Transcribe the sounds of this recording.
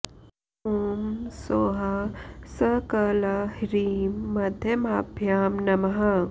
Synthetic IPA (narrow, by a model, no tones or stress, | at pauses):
hoːmsoːɦɐsɐkɐlɐhiɾiːmːɐd̪ʱjɐmaːbʱjaːmnɐmɐɦɐ